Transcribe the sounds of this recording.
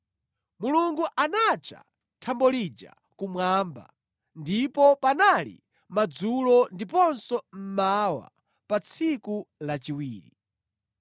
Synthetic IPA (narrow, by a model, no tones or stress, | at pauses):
muluŋɡuʔanat͡ʃa̰ | tʰambɔlid͡ʒa̰ | kumwaːmba̰ | ndipɔpanalḭ | mad͡zulɔndipɔnsɔm̩mawa̰ | pat͡sʰikulat͡ʃiwiːɾḭ